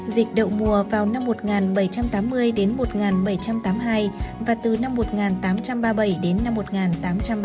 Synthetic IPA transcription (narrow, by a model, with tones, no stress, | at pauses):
zï˨˩k̟̚ɗə̰˧˨wmu˨˩əvaː˨˩wna˧mːo˨˩t̚ŋaː˨˩nɓə˧˩jt͡ɕa˧mt̪aː˨˦mːɨ˧əjɗe˨˦nmo˨˩t̚ŋaː˨˩nɓə˧˩jt͡ɕa˧mt̪aː˨˦mɦaː˧jvaː˨˩t̪ɨ˨˩na˧mːo˨˩t̚ŋaː˨˩nt̪aː˨˦mt͡ɕa˧mɓaː˧ɓə˧˩jɗe˨˦nːa˧mːo˨˩t̚ŋaː˨˩nt̪aː˨˦mt͡ɕa˧mɓ